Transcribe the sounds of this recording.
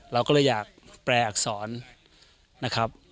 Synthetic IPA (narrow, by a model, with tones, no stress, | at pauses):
ɾa˧wkɔː˥˩lɤ˧˩jaː˨˩k̚pɾɛː˨˩k̚sɔː˩˦nː | a˦˥kʰɾa˦˥p̚